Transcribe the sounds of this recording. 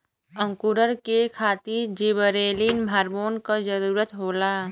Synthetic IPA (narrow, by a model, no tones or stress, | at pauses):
ə̃ŋkuɾəɾkekʰaːt̪iɾd͡ʒibəɾeːlinmʱaːɾmoːnkad͡ʒəɾuːɾət̪ɦoːlaː